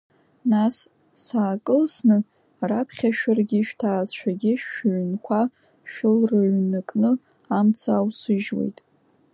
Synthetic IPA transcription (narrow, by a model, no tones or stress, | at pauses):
nas | saːkʼɨlsnɨ | rapʰχʲaʃᶣarɡʲiʃᶣtʰaːt͡ɕʷʰaɡʲɪʃɥnkʷʰa | ʃᶣɪlrɨɥnɨkʼnɨ | amt͡sʰawsɨʒwḛjtʼ